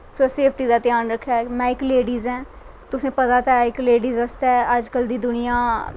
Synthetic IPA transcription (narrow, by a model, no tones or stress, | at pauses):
soːseːpʰʈiːd̪aːt̪ɪjaːnɾəkʰːaːmɛ̃ːɪkleːɖiːzɛ̃ː | t̪ʊsẽːpət̪aːt̪aɪkleːɖiːzəst̪ɛːəd͡ʒkəld̪iːd̪ʊnɪjãː